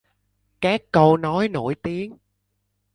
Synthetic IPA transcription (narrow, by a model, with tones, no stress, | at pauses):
kaː˦˥kːə˧wnɔ˨˦jno̰˧˩jt̪i˨˦əŋ